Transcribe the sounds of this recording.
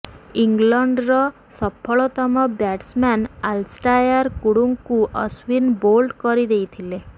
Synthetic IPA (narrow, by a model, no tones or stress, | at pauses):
iŋɡlɔɳɖɾɔ | sɔpʰɔɭɔt̪ɔmɔbjaʈsmanalsʈajaɾkuɽuŋkuʔɔswinbolɖkɔɾid̪ejt̪ʰile